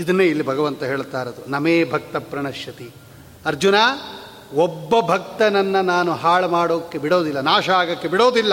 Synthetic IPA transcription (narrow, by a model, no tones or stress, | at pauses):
id̪ɐnːeːilːibʱɐɡɐʋɐnt̪ɐɦeːɭt̪aːɾɐd̪unɐmeːbʱɐk̚t̪ɐpɾɐɳɐʃjɐt̪i | ɐɾd͡ʒunaː | ɔbːɐbʱɐk̚t̪ɐnɐnːɐnaːnuɦaːɭɐmaːɽoːdɐkːebiɽoːd̪ilːɐnaːʃɐaːɡɐkːebiɽoːd̪ilːɐ